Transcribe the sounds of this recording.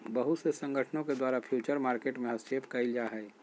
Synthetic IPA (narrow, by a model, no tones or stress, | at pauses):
bəɦʊt̪sesə̃ŋɡəʈʰnõked̪waːɾapʰjuːt͡ʃəɾmaːɾkeːʈmẽɦɐsʈeːpkɐɪld͡ʒaɦɛː